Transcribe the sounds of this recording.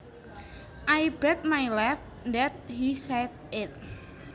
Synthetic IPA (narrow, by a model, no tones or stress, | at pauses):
ʔajbɛt̪̚majlaf | nd̪ɛt̪̚hisɛd̪̚ | ɪt̪̚